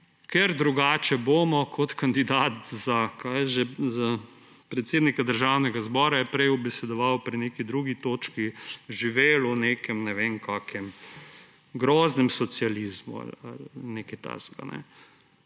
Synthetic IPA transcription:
kɛɾd̪ɾuɡaːt͡ʃɛboːmɔkʰɔt̪kand̪id̪aːt̪zakʰajɛʒɛza | pɾɛt̪seːd̪nikad̪əɾʒawnɛɡazbɔːɾajɛpɾɛjɔbɛsɛd̪ɔʋawpɾineːkid̪ɾuɡit̪oːt͡ʃkiʒiʋeːluneːkɛmnɛʋeːnkʰaːkɛm | ɡɾɔːznɛmsɔt̪sializmṵa̰la̰lneːkɛt̪a̰zɡa̰nɛ̰

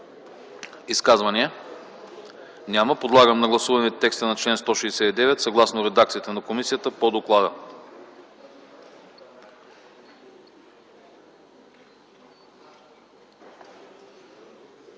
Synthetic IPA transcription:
iskazvɐniɛ | nʲaməpod̪lˠaɡəmnɐɡlˠɐsuvɐnɛt̪ːɛkst̪ənɐt͡ʃlɛnst̪ɔʃiɛsɛt̪id̪ɛvɛt̪sɐɡlˠasnoɾɛd̪akt̪sit̪ɛnɐkomisijət̪əpod̪oklˠad̪ə

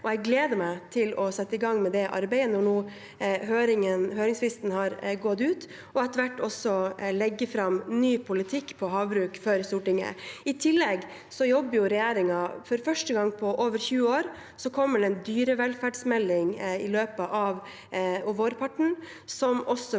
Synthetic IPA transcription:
ʔɔɛɡleːd̪əmæɪt̪ʰɪlɔsɛt̪ːəɪɡɑŋːmɛd̪ɛʔɑ̰ɾbɛɪənɔɳuː | høːɾɪŋənhøːɾɪŋslɪst̪nhɑɾɡɔt̪ʉːt̪ | ɔɛt̪əʋæʈːɔsɔlɛɡːəfɾɑmnyːpʰʊlɪt̪ʰɪkːpʰɔɦɑːʋbɾʉːkfɔɾst̪uːʈɪŋə̰ɪt̪ʰɪlːɛɡ | sɔjɔbːəɾjʊɾɛjeːɾɪŋɑfɔɾfœʂʈəɡɑŋːpʰɔʔoːʋəɾçʉːəoːɾ | sɔkʰɔmːəɖɛnd̪yːɾəʋɛlfæːɖsmɛlːɪŋɪløːpəʔɑʋ | ʋoːɾpʰɑʈːɳ̩ | sɔmɔsːɔ

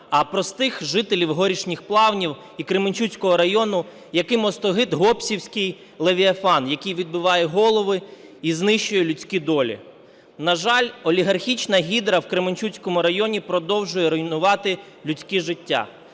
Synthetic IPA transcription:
ɐpɾɔst̪ɪxʒɪt̪elʲiwɦɔɾʲiʃnʲixplˠɑwnʲiw | ikɾemɪnʲt͡ʃut͡sʲkɔɦɔɾɐjɔnʊ | jɐkɪmɔst̪ɔɦɪd̪ɦɔpsʲiwsʲkɪj | lˠeʋʲiɐfɑnjɐkɪjʋʲid̪̚bɪʋɑjɛɦɔlˠɔʋɪ | iznɪʃt͡ʃːʊjɛlʲʊt͡sʲkʲid̪ɔlʲḭ | nɐʒɑlʲɔlʲiɦɐrxʲit͡ʃnɐɦʲid̪ɾɐwkɾemɪnʲt͡ʃut͡sʲkɔmʊɾɐjɔnʲipɾɔd̪ɔwʒʊjɛɾɔjnʊʋɑt̪ɪ | lʲʉt͡sʲkiʒɪtʲːa̰

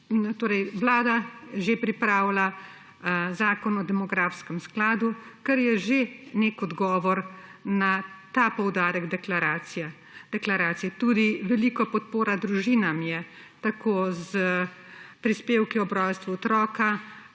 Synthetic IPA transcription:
nɔt̪oːɾɛjʋlaːd̪aʒepɾipɾaːwla | zaːkɔnɔd̪ɛmɔɡɾaːfskɛmsklaːd̪ukɛɾjɛʒeneːkɔd̪ɡɔːʋɔɾnat̪aːpɔwd̪aːɾɛɡd̪ɛklɾaːiɛ | d̪̥ɛklaɾaːt̪sijɛt̪uːd̪iʋɛlikɔpɔt̪poːɾad̪ɾuʒiːnamjɛ | t̪akoːzə | pɾispeːwkiɔbɾɔjst̪ʋuɔt̪ɾɔːka

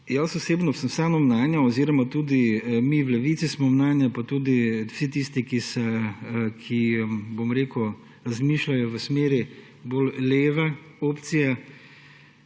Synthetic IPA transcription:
jasɔseːbnɔsənsanɔmnaːnjaɔziːɾɔmat̪uːd̪imiwlɛʋiːt̪sismɔmnaːnjapat̪uːd̪iw̥sit̪ist̪ikisɛ | kʰibomɾeːkʊ | ɾazmiːʃlajɔʋəsmeːɾi | bolleːʋɛ | oːpt̪sijɛ

